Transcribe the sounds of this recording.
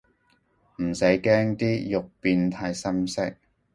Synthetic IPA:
m̩˨˩sɐ˨˥jkɛː˥ŋt̪iː˥jʊ˨k̚piː˧nt̪ʰaː˧jsɐ˥msɪ˥k̚

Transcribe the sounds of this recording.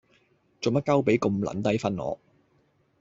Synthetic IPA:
t͡so˨˩mɐ˥t̚kɐ˥wpe˨˥jkʊ˧mlɐ̰˨˥nt̪ɐ˥jfɐ˥nŋɔ̰ː˨˧

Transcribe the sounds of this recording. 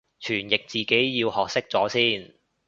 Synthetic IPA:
t͡ʃʰyː˨˩njɪ˨k̚t͡siː˨ke˨˥jjiː˧whɔː˨k̚sɪ˥k̚t͡sɔː˨˥siː˥˩n

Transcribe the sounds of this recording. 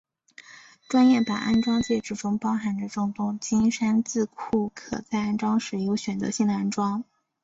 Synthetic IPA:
ʈ͡ʂwa˥njɛ˥˩pa˨˩ʔa̰˥nʈ͡ʂwɑ˥ŋt͡ɕjɛ˥˧ʈ͡ʂɻ̩˥˩ʈ͡ʂʊ˥ŋpɑ˥ʊxa˧˥ndə˧ʈ͡ʂʊ˥˧ŋt̪ʊ˥˩ŋt͡ɕi˥nʂa˥nt͡sɹ̩˥˧kʰu˥˩kʰɤ̰˨˩t͡sa˥˧ɪa˥˩nʈ͡ʂwɑ˥ŋʂɻ̩˨˥˩jo˧˥ʊɕɥɛ˨˩nt͡sɤ̰˧˥ɕi˥˩na˥nʈ͡ʂwɑ˥ŋ

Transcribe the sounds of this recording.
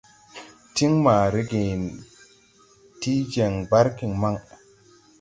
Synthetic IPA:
ti˦ŋma˨ɾe˦ɡe˨n | ti˦d͡ʒe˨ŋba˦ɾki˨ŋma˦ŋ

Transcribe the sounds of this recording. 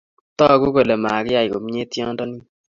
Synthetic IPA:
tɔ˦˨ku˦ko˨le˨ma˨kɪ˦a˨i˨ko˨m˦ɲe˦tjɔ˦ndɔ˦ni˦

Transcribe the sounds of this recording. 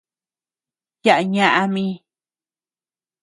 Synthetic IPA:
ja˦ʔa˧ɲã˦˧ʔa˧mĩ˦

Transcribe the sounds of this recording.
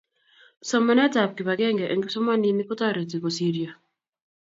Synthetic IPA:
sɔ˦ma˦nɛ˦ta˨p̚ki˨ba˨ɡɛ˦ŋɡɛ˨ʔɛ˨ŋɡi˦sɔ˦ma˦ni˦ni˦kɔ˦ta˦ɾe˨ti˨kɔ˨si˦ɾi˨a˨

